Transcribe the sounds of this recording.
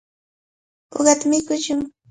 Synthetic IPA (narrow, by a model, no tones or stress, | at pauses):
o̰ɢɑt̪amɪkʊt͡ʃʊŋ